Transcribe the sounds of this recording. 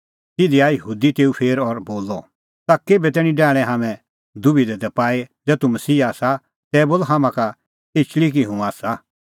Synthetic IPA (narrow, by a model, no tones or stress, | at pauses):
t̪ɪd̪iaːjəɦuːd̪it̪eːupʰeːɾɔɾboːlɔ | t̪akeːbɛt̪̬ɛːɽ̃ĩɖɛːɽ̃ɛ̃ɦaːmɛ̃ | d̪ʊbid̪ɛd̪ɛpaːed͡zɛːt̪umɐsiːaːsa | t̪ɛːboːlɔɦaːmãka | et͡ʃlik̬iɦũaːsa